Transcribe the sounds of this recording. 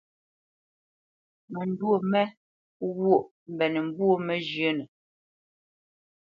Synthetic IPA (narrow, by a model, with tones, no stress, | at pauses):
mɛ˨n˨dwo˦˨mɛ˦ | wo˦˨ʔ | m̩˨bɛ˨nə˨m˨bu˦o˦mɛ˦d͡ʒjə˦nə˨